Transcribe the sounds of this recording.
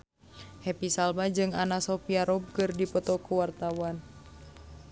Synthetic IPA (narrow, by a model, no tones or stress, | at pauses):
hepisalmad͡ʒɨŋanasɔfiaɾɔb̚kɨrdipɔt̪ɔkuwart̪awan